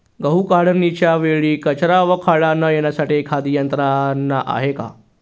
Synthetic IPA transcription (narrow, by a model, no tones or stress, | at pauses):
ɡəɦukaɽ̤əɾnit͡ɕjaʋeɭiːkət͡ɕɾaʋəkʰaɭanːajenjasaʈikʰad̪ijənt̪ɾanːaʔa̰ɦeka̰